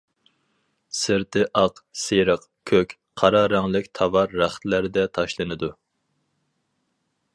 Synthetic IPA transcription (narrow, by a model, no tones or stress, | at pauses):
sɨɾt̪ʰɪʔɑqseɾəq | kʲʰøkʲ | qʰɑɾɑɾɑŋlˠɪkʲt̪ʰɑvɑɾːæχt̪læɾd̪ɛt̪ʰɑʃlˠɨnɨd̪u